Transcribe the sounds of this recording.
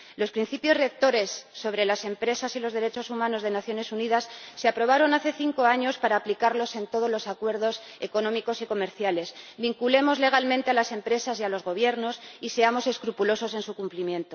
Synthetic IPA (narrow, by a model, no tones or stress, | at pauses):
lo̞spɾin̟θipjo̞zrek̚t̪o̞ɾe̞sːo̞βɾe̞lase̞mpɾe̞sasilo̞zðeɾe̞t͡ʃo̞sumãno̞zðe̞naθjo̞ne̞suniðasːeapɾo̞β̞aɾo̞naθe̞θiŋko̞aɲo̞spaɾaːplikaɾlo̞se̞nt̪o̞ð̞o̞zlo̞sakwe̞ɾðo̞s | e̞ko̞nõ̞miko̞siko̞me̞ɾθjale̞sβiŋkule̞mo̞zle̞ɣ̞almẽnt̪ealase̞mpɾe̞sasialo̞zɣo̞β̞je̞ɾno̞sise̞amo̞se̞skɾupulo̞so̞se̞nsukumplimjẽ̞nt̪o